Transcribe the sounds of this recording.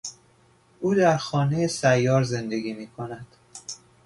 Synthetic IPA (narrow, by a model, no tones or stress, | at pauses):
ʔuːd̪æɾxɒːne̞jesæjːɒːɾze̞nd̪e̞ɡiːmiːkʰo̞næd̪̥